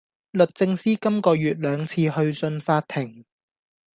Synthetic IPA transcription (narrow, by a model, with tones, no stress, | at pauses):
lɵ˨t̚t͡sɪ˧ŋsiː˥kɐ˥mkɔː˧jyː˨t̚lœː˨˧ŋt͡sʰiː˧hɵ˧ɥt͡sɵ˧nfaː˧t̚t̪ʰɪ˨˩ŋ